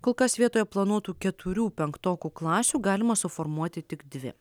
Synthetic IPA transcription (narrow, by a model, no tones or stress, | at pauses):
koːlˠkɐsʋʲiɛt̪oːjɛplˠɐnuɔt̪uːkʲɛt̪ʰʊɾʲuːpʲɛŋkt̪oːkʲuːklˠɑːsʲuːɡɑːlʲɪmɐsʊfɔɾmuɔt̪ʲɪt̪ʲɪɡd̪ʲʋʲɪ̰